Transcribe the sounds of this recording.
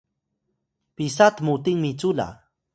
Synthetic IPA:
pɪsat̪mʊt̪ɪŋmɪt͡sʊla̰

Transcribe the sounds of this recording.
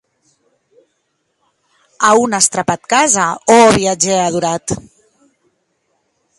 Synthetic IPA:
aunast̪ɾapat̪kazaoβiad͡ʒeaðuɾat̪

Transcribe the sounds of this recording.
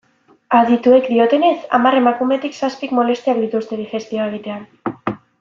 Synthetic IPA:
aðit̪uekd̪io̞t̪e̞ne̞sa̰mare̞makume̞t̪iksaspikmo̞le̞st̪eakd̪it̪ust̪e̞ðixe̞st̪io̞eɣ̞it̪e̞an

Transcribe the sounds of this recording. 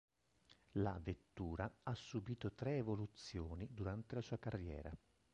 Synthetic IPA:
la̰vet̪ːuːɾaasːubiːt̪ot̪ɾeːvolut̪sːjoːnid̪uɾant̪elasuːakarːjɛ̰ːɾa̰

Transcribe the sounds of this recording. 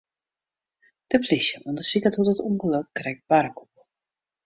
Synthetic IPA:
d̥əplisjəʔɔndəsikatutətuŋɡəlop̚krɛk̚b̥aɾəku̥p̚

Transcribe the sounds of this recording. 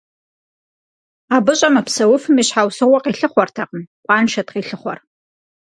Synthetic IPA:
aːbɨɕʼɐmɐpʰsɐwʊfɨmiɕħawsɨʁʷɔqʼiːɬɨχʷɔrtʰɐqənqʷʼɑːnʃɐtqiːɬɨχʷɔ̰r

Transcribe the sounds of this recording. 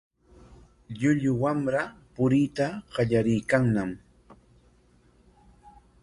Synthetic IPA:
ʎʊʎʊwamɾapʊɾɪt̪aɢɑʎaɾɪjkaŋnam

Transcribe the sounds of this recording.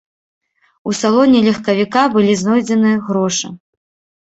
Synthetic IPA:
usalˠɔnʲilʲɐxkɐvʲikabɨlʲiznɔjd͡zʲɛnɨɣɾɔʂɨ̰

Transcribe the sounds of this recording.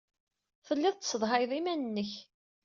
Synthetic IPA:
θəlːɪðˤt̪səðˤɦɑjðˤimænənːəç

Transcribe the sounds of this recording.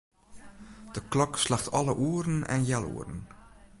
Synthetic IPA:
d̥əklɔkslaxtʰɔlˠəʔuəɾən̩ɛ̰njɛlˠṵːərən̩

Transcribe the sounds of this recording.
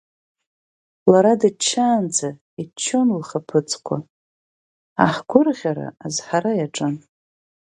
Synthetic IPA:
laɾadat͡ʃʰːaːnd͡za | it͡ʃʰːonlχapʰɨt͡sʰʼkʷʰa̰ | aħɡ̥ʷʊrʁʲaɾa̰ːzħaɾajaʈ͡ʂʼɨn

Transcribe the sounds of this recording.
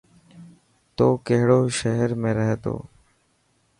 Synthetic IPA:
t̪oːkeɦɽoːʃəɦəɾmẽːɾɛɦt̪o̰ː

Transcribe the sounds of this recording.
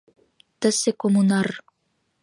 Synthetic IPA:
t̪ɘ̆sekomunɑr

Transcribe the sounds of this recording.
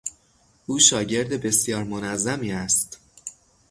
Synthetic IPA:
ʔuːʃɒːɟe̞ɾd̪ebe̞sjɒːɾmonæzːæmiːæst̪

